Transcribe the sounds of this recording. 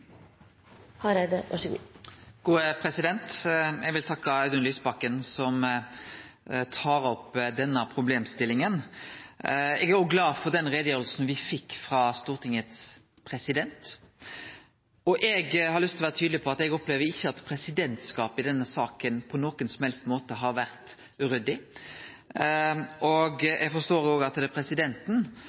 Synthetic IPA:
hɑɾæd̪əʋɑ̰ʂəɡṵːɡ̥uːəpʰɾɛsɪd̪ɛnt̪ɛɡʋɪlt̪ʰɑkːɑɑd̪ʉnlyːsbɑkːənsɔm | t̪ʰɑːɾɔpːd̪ɛnːəpʰɾʊbleːmst̪ɪlːɪŋən | ɛɡæɾjʊːɡlɑːfɔʁd̪ɛnʁeːd̪əjøːɾl̩sn̩ʋɪfɪkːfɾɑst̪uːʁt̪ʰɪŋət̪s | pʰɾɛsɪd̪ɛnt̪ | ɔʔɛɡhɑɾlʏst̪ʰlʋæːʁət̪ʰyːd̪lɪpʰɔɑt̪ɛɡɔpleːʋəɪçːəɑt̪pʰɾɛsɪd̪ɛnt̪skɑːpɪd̪ɛnːəsɑːkənpʰɔnoːkənsɔmhɛlst̪moːt̪əɦɑɾʋæʁt̪ | ʉɾʏd̪ɪ | ʔɔɡʔɛɡfɔst̪oːɾjʊoːɡɑt̪d̪ɛpʰɾɛsɪd̪ɛnt̪n̩

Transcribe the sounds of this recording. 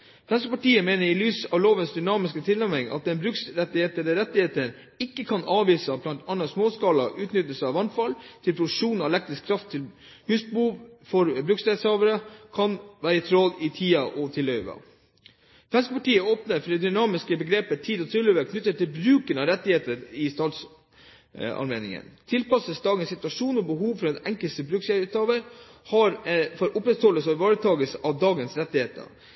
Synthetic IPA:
sʋɛns̬kəpɑʈiːəmeːnəɾɪlyːsɑʋloːʋənsd̪ʏnɑːmɪskət̪ʰɪlːæɾmɪŋɑ̰t̪̚d̪ɛnbɾʉksɾɛt̪ːɪheːt̪əd̪əɾɛt̪ːɪheːt̪əɳ | ɪkːəkʰɑnɑːʋiːsəblɑnt̪ɑnəsmoːskɑːlɑʔʉːt̪nʏt̪ːəsɑʋɑnfɑlt̪ʰɪlpʰɾʊd̪ʉʂuːnɑɛlɛk̚t̪ɾɪskʰːɾɑft̪ʰːɪl | hʉːsbuːʋfɔɾbɾʉkseːt̪shɑːʋəɾəkʰɑnʋæːɾəɪt̪ʰɾɔlɪt̪ʰiːɑʔɔt̪ʰɪlœʏʋɑ̰ | sʰʋɛnskəpɑʈiːəoːpnəɾfɔɖ̪ɛd̪ʏnɑːmɪskəbəɡɾeːpət̪ʰiːd̪ɔt̪ʰɾɪlœʋəkʰnʏt̪ːət̪ʰːɪlbɾʉːkənɑɾɛt̪ːɪheːt̪əɾɪst̪ɑːt̪s | ɑ̰nmeːnɪ̰ŋə̰nt̪ʰɪlpɑsəsd̪ɑːɡənsɪt̪ʉɑʂuːnɔbəɦuːʋfɔɾɛnɛŋkəlsəbɾʉkseʉt̪ɑːʋəɾhɑɾfɔɾʔʊpɾɛt̪hɔlːəsɔʋɑːɾət̪ʰɑːɡəsɑʋd̪ɑːɡənsɾɛt̪ːɪheːt̪ə̰ɾ

